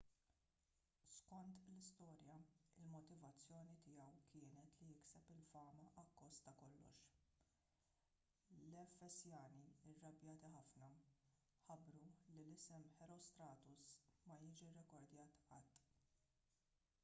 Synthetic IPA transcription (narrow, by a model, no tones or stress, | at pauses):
skɔnt̪lɪst̪ɔːɾjɐɪlmɔt̪ɪvɐt͡sːjɔːnit̪ɪjɛwkɪːnɛt̪lijɪksɛpɪlfɐːmɐʔɐkːɔst̪ɐkɔlːɔ̰ʃ | lɛfːɛsjɐːniɪrːɐbjɐːt̪iħɐfnɐ | ħɐbːɾulilɪsɛmħɛɾɔst̪ɾɐːt̪ʊsmɐjɪːd͡ʒirɛkɔɾd̪jɐːt̪ɐt̪ː